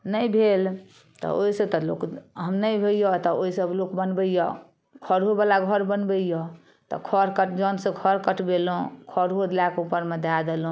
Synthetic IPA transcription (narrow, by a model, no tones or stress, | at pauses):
nəjbʱel | t̪ɔ̰oisət̪ɔlo̰kɦəmnəjbʱejɔt̪ɔoisəblokbənbəijɔ | kʰɔɾɦobalaɡʱəɾbənbəijɔ | t̪ɔ̰kʰɔɾkəʈʰd͡ʒɔnsə̃kʰɔɾkəʈʰbelũkʰɔɾɦod̪lakeupəɾmed̪ʱad̪elɦũ